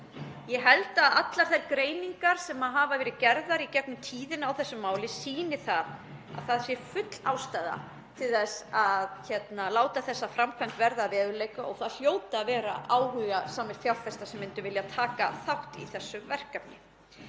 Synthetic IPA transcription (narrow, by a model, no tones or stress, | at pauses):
jɛɦɛlt̪aðat̪laɾ̥θɛɾkɾeːjniŋkaɾ̥sɛmaðɦaːvavɛːɾɪcɛɾðaɾicɛk̚nʏmt̪ʰiːðɪnawθɛsːʏmːaːwlɪsiːnɪ̥θað | a̰ðθaðsjɛɾfʏt̪l̥a̰ːwst̪ajða̰ | t̪ʰɪlθɛsaðçɛt̪nalaːwt̪aθɛsːafɾamkʰvant̪vɛɾðaːvɛːðʏleːjkaɔɣθaðl̥joːwt̪aːðvɛːɾa̰ʔaːwhʏɣasaːmɪɾθjawlfɛst̪asɛmɪnt̪ʏvɪljat̪ʰaːkaθawht̪ḭθɛsːʏmvɛr̥kapnɪ